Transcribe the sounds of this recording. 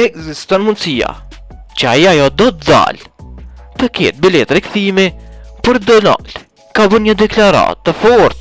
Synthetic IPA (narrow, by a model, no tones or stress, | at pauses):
ɛɡzist̪ɔnmunsija̰ | t͡ʃəajiajɔd̪ɔt̪d̪a̰l | t̪əkɛt̪̚bilɛt̪ɾɛkθimipəɾd̪ɔna̰l | kabənɲəd̪ɛklaɾa̰t̪ːəfɔɾθ